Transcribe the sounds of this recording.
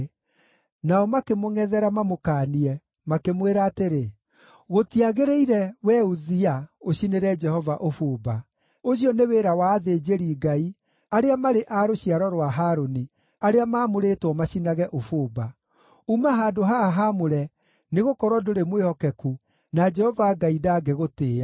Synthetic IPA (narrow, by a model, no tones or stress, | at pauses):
naɔmakemoŋɛðɛɾamamokaːniɛ | makemweɾaːteɾe | ɣotiaɣeɾeiɾɛwɛuziaoɕineɾɛd͡ʒɛhɔvaʔofoːba | oɕ̬iɔneweɾawaːðeːd͡ʒeɾiːɡai | aɾeamaɾeʔaɾoɕiaɾɔɾwaɦaːɾoni | aɾeamaːmoɾetwɔmaɕinaɣɛʔofoːba | umaɦaːdoɦaɦamoɾɛ | neɣokɔɾwɔdoɾemwehɔkɛku | nad͡ʒɛhɔvaɡaidaɡeɣoteːa